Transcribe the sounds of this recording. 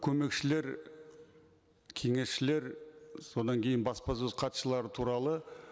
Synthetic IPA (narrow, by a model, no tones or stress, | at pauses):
kʲʰɵme̞kʃɪle̞ɾ | kʲʰe̞ŋe̞sʃɪle̞ɾso̞d̪ɑŋkʲʰe̞jɪnbɑspɑzɵzqʰɑt̪ʃəlˠɑɾət̪ʰuɾɑlˠə